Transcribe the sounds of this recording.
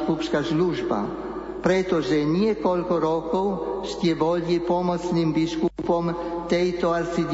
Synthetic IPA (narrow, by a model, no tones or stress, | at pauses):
kupʃkasluʒba̰ | pɾɛt̪oʒɛnijɛkolkɔɾɔkowʃt̪jɛboljipɔmɔt̪snimbiʃkupɔmt̪ɛjt̪oalsid̪